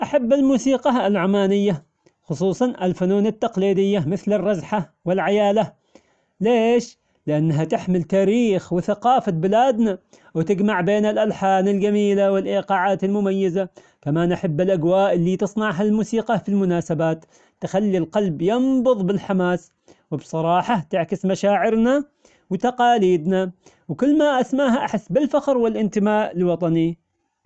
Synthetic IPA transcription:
ʔaħabːalmuːsiːqɑalʕʊmaːnɪjːa | xʊsˤuːsˤɑnalfʊnuːnat̪ːɑqliːd̪ɪjːamɪθlɪrˤːɑzħawɪlʕajaːla | leːʃ | lɪʔanːɦat̪ɪħmɪlt̪aːɾiːxwɪθaqɑːfabɪlaːd̪na | wɪt̪ɪɡmaʕbeːnalʔalħaːnalɡamiːlawɪlʔiːqɑːʕaːt̪almʊmajːaza | kamaːnʔaħabːɪlʔaɡwaːʔɪlːiːt̪ɨsˤnɑʕɦalmuːsiːqɑfilmʊnaːsabaːt̪ | t̪ːɪxalːilqɑlbjɑnbʊðˤbɪlħamaːs | wɪbsˤɑɾˤɑːħɑt̪ɪʕkɪsmaʃaːʕɪɾna | wɪt̪ɑqɑːliːd̪na | wkʊlːmaʔasmaːɦaʔaħɪsːbɪlfaxɾwɪlʔɪnt̪ɪmaːʔɪlwɑt̪ˤɑni

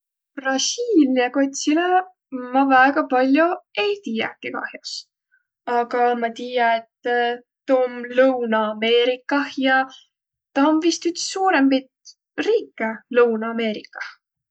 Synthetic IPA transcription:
prɑsʲiːlʲniɑko̞t̪ʲsile | mɑvæeɡ̥ɑpɑlʲjoe̞jt̪iːjɑ̰kikɑ̰hjos | ɑɡ̥ɑmɑt̪ijɑet̪ː | t̪ːomlɤwnɑːme̞ːɾikːˑɑhjɑ | t̪ɑonvist̪yt̪suːɾe̞mpit̪ | riːkːˑelɤwnɑːme̞ːɾikˑːɑ̥h

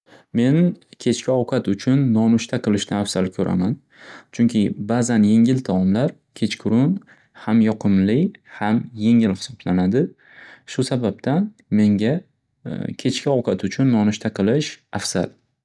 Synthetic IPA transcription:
me̞nkʲʰe̞t͡ʃkʲaɒwqʰɑt̪ʊt͡ʃʰʊnːɒnʊʃt̪ʰaqʰɨlˠɪʃnɪafsalkʲʰɵɾʔa̰man | t͡ʃʰʊŋkʲʰɪbazanje̞ŋɪlt̪ʰɒɒmlaɾ | kʲʰe̞t͡ʃkʲʰʊɾʊn | hamjɒqʰɨmlɪhamje̞ŋɪlhɪ̥sɒblanad̪ɪ | ʃʊsabap̚t̪ʰan | me̞ŋɡʲa | kʲʰe̞t͡ʃkʲaɒwqʰɑt̪ʊt͡ʃʰʊnːɒnʊʃt̪ʰaqʰɨlɪʃafsa̰l

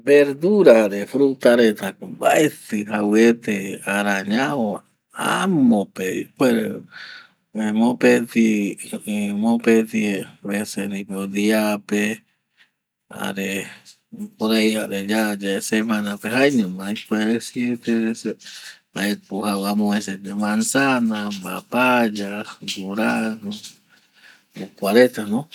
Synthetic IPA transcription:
beɾd̪uɾaɾefɾut̪aɾet̪akbaet̪ɨhawet̪eaɾaɲao | a̰mopeḭkeɾe | emõpet̪iimopet̪ieβesenĩpoðiape | a̰ɾe | poðejaʔɾed͡ʒad͡ʒeesemãnapeɦajɲũmãipweɾesjet̪eɾese | aepuhawamõeset̪emansanaba̰pad͡ʒaɡuɾanu | okwaɾet̪anõ

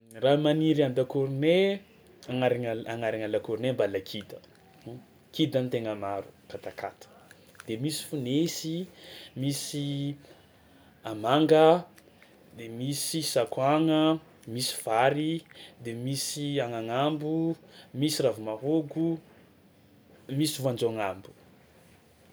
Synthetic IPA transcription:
ramaniɾiand̪akuɾne | aŋaɾiŋaaŋaɾaŋalakuɾnembalakʰid̪ə | kid̪ant̪eŋəmaɾukat̪aka̰t̪ʰə̥ | d̪̥emisi̥funesimisi | amaŋɡə | d̪emisisakwaŋə | misi̥v̥aɾid̪emisiaŋaŋambumisiravumaɦoɡu | misivand͡ʒoaŋambu̥

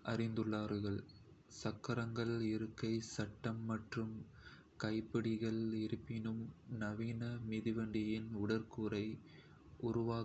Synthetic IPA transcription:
ʔɐrɪnd̪ɯɭːaːɾɯɣɐɭ | sɐkːɐɾɐŋɡɐɭɪɾɯkːɐɪsɐʈːɐmːɐʈrɯm | kɐɪpːɪɽɪɣɐɭɪɾɯpːɪnɯmnɐʋiːnɐmɪðɪʋɐɳɖɪjɪnʊɽɐɾkuːɾɐɪ | ʔʊɾʊʋaː

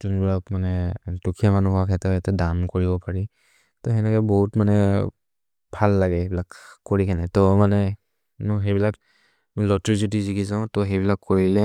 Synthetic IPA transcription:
tunbilakmanɛtukʰijamanuɦakʰɛtɛɛtɛdamkoɹibɔpaɹi | tɔɦɛnɛkɛbɔɦutmanɛ | bʱalːaɡɛbilakkːoɹikʰɛnɛtɔmanɛ | nuɦebilak | lɔtɹisitizikizãʊ̃tɔɦejbilakʰːoɹilɛ

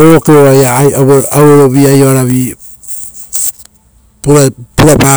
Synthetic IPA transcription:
oɾokeoajaawoɾoβiajoaɾaβi | puɾapuɾaba

